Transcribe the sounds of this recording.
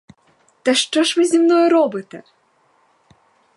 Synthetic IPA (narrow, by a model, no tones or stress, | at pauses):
t̪ɛʂt͡ʂɔʂvɨzʲimnɔjɛɾɔbɨt̪ɐ